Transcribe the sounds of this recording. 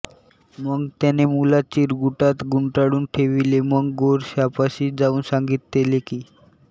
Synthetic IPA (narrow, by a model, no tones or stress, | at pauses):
məɡt̪ɛnemulat͡ɕiɾɡuʈat̪ɡuɳʈaɽuːnʈʰeʋileməɡɡoɾɕapaɕiːd͡zauːnsaŋɡit̪̚ːelekiː